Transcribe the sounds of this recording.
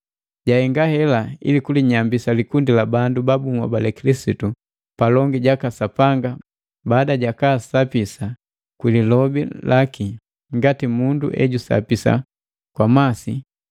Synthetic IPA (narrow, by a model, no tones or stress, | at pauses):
ɟahɛŋɡahɛlaḭlikuliɲambisalikundilabandubabumwa̰balɛkilisitu | palɔŋɡiɟakasapaŋɡa | baːdaɟakaːsapisa | kwililɔbilaki | ŋɡatimundṵʔɛ̰ɟusa̰pisa̰ | kwamasi